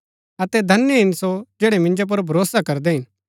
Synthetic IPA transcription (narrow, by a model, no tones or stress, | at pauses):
ɐt̪ɛd̪ʱɐnːjəɦɪ̃nsod͡ʒɛːɽɛmɪ̃nd͡ʒop̬ɐɾbʱɐɾoːsakɐɾd̪eɦɪ̃n